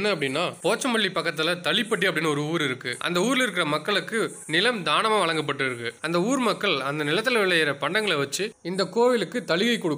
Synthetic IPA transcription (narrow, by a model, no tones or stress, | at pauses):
nːɐɐpːɐɽɪnːaːpoːt͡ʃːɐmɐɭːipːɐkːɐt̪ːɪlɐt̪ɐɭɪpːɐʈ̬ːiɐp̬ːɐɽɪnːɯɔɾɯuːɾɪɾɯkːɯʔɐ̰nd̪ɐuːɾɪlɪɾɯk̬ːɪrɐmɐkːɐɭɯkːɯnɪlɐmd̪aːnɐmaʋɐɭɐŋɡɐp̬ːɐʈːɯɪɾɯkːɯɐnd̪ɐuːɾmɐkːɐɭɐnd̪ɐnɪlɐt̪ːɪlɐʋɪɭːɐjɐɾɐpɐɳɖɐŋɡɐɭɐʋɐt͡ʃːɯɪnd̪ɐkːoːʋɪlɯkːɯt̪ɐɭɪɣɐɪkːɔɽɯkː